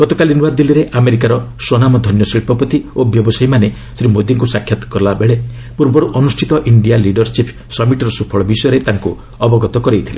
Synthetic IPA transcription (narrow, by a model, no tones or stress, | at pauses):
ɡ̥ɔt̪ɔkalinuad̪iliɾeʔameɾikaɾɔswɔnamɔd̪ʱɔnjɔsɾiɭpʰɔpɔt̪iobjɔbɔsajmane | sɾimod̪iŋkusakʰːjat̪ɔ̥kɔɾlabeɭe | puɾbɔɾuʔɔnusʈʰit̪ɔʔiɳɖijaliɖɔɾsipʰ | sɔmiʈɔɾɔsupʰɔɭɔbisɔjɔɾet̪aŋku | ɔbɔɡɔt̪ɔkɔɾejt̪ʰile